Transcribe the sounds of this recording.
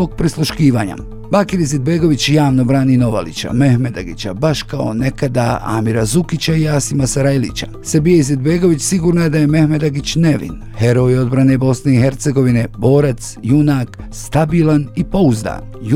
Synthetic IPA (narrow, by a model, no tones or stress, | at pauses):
oɡ̚pɾislˠuʃkiːʋaːɲa̰ | baːkiɾized̪̚be̞ɡo̞ʋit͡ɕjaːʋno̞bɾaːnino̞ʋa̰lḭt͡ɕa̰me̞hme̞d̪aɡit͡ɕabaʃkao̞̰ne̞kad̪aa̰ːmiɾazukit͡ɕaiaːsimasaɾajlḭt͡ɕa | sebijeized̪be̞ɡo̞ʋit͡ɕsiɡuːɾnaed̪aje̞me̞hme̞d̪aɡit͡ɕne̞ʋḭn | he̞ɾo̞io̞d̪bɾane̞bo̞sne̞ixe̞ɾt̪se̞ɡo̞ʋine̞bo̞ːɾat̪sjunaːkst̪abiːlˠanipo̞uzd̪a̰ːnj